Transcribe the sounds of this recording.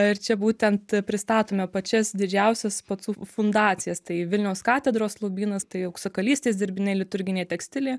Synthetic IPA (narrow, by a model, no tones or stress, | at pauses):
ɪɾt͡ʃʲɛbuːt̪ʲɛnt̪pʲɾʲɪst̪ɑːt̪oːmʲɛpɐt͡ʃʲɛsd̪ʲɪd͡ʒʲɛʊsʲɛspɐsuːfʊnd̪ɑːt̪t͡ssʲɪjɛst̪ɐɪʋʲɪlʲnʲɛʊskɑːt̪ʲɛd̪ɾoːslˠobʲiːnɐst̪ɐɪɐʊksɐkɐlʲiːsʲt̪ʲeːsd̪ʲɪɾʲbʲɪnʲɛɪlʲɪt̪ʊɾʲɡʲɪnʲeːt̪ʲɛksʲt̪ʲɪlʲeː